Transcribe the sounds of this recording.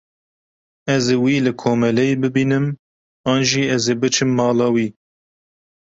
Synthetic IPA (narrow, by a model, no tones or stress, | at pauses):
ɛzeːwiːlɨkʰoːmɛlɛjebɨbiːnɨm | ɑːnʒiːɛzeːbɨt͡ʃʰɨmːɑːlɑːwiː